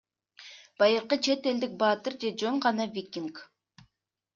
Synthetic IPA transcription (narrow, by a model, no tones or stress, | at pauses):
b̥ɑjɯɾqət͡ʃʰe̞t̪e̞ld̪ik̚bɑt̪ɨɾd͡ʒe̞d͡ʒøɴʁɑnɑvʲikʲːiŋk